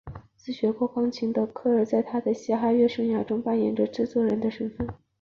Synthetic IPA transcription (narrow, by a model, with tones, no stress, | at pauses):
t͡sɹ̩˥˩ɕɥɛ˧˥kwɔ˥˩kɑ˥ŋt͡ɕʰi˧˥ŋd̪ə˧kʰɤ˥˩ə˞˥˩t͡sa˥˩ɪt̪ʰa˥d̪ə˨ɕɛ˥xa˥˧ɥɛ˥˧ʂɤ˥˩ŋja˥ʈ͡ʂʊ˥ŋpa˥˩njɛ˨˩nʈ͡ʂə˧˦ʈ͡ʂɻ̩˥˧t͡swɔ˥˩ɻə˧˥nd̪ə˧ʂə˥nfə˥˩n